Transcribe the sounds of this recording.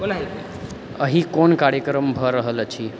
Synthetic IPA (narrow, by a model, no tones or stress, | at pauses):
onaɦi | əɦikonkaɾjəkɾəmbʱəɾəɦələt͡ʃʰi